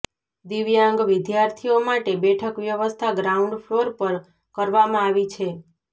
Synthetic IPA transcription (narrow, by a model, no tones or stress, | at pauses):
d̪iʋjãŋɡʋɪd̪jaɾt̪ʰiomaʈebɛʈʰəkʋjəʋəst̪ʰaɡɾauɳɖfʰloɾpəɾ | kəɾʋamãaʋit͡ʃʰe